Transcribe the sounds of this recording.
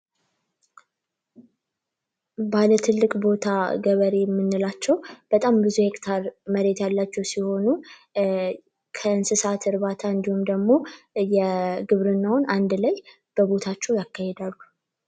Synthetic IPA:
balət̪ʰɨlːɨkʼbo̞t̪ʰaɡəβəɾe̞jɛmːɨnːɨlat͡ʃːɛwb̥ət̪ʼambɨzuhe̞kʼt̪ʰaɾməɾe̞t̪jalːat͡ʃːɛwsiho̞nu | kʰəɨnsɨsat̪ʰɨɾβat̪ʰaɨnd̪ihumd̪əɡmo̞jɛɡɨβɾɨnːawʊnand̪ləj | b̥əβo̞t̪ʰat͡ʃːɛwjakːahed̪alːu

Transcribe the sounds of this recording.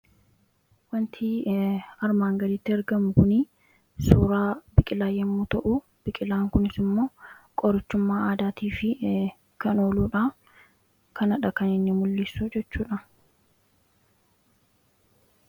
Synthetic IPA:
wɐnt̪ʰiːɐɾmaːŋɡɐɾit̪ːɪɐɾɡɐmʊkʊnɪ | suːɾaːbɪkʼɪlaːjɛmːuːt̪ɐʔʊ | b̥ɪkʼɪlaːŋkʊnɪsɪmːo̞ːkʼɔɾɪt͡ʃːʊmːaːaːd̪aːt̪iːfɪ | kɐnoːluːᶑa | kɐnɐᶑɐkɐnɪnːɪmʊlːɪsːud͡ʒɛt͡ʃːuːᶑɐ

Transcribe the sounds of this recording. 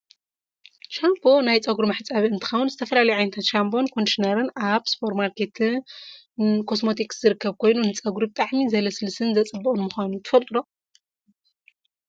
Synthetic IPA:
ʃambo̞najt͡sʼɐɡuɾumɐħt͡sʼaβiɨnt̪ʰɨ̥xɐwʊnzɨt̪ʰɐfɐlalɐjʕajnɐt̪ʰat̪ʃambo̞nkʰo̞nd̪iʃinɐɾɨnʔaβspʰoɾmaɾkʰet̪ʰ | kʰo̞smo̞t̪ʰikszɨɾɨkːɐβkʰo̞jnunɨt͡sʼɐɡuɾubɨt̪ʼaʕmizɐlɐsɨlsɨnzɐt͡sʼɨbːɐχʼɨnmuxʷanut̪ʰɨ̥fɐlt̪ʼɨɾo

